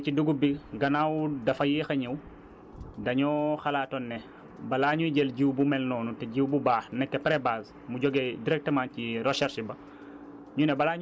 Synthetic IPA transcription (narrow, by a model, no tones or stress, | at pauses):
t͡ʃiduɡubiɡɐnawdɐfɐjixɐɲɛw | dɐɲɔxɐlaːtɔnːɛ | bɐlaːɲujɟɛlɟiwbumɛlnɔːnutɛɟiwbubaːxnɛkːɛpɾɛbaːz | muɟɔɡɛdiɾɛk̚təmaːnciɾɔʃɛɾʃibɐ | ɲunɛbɐlaːɲ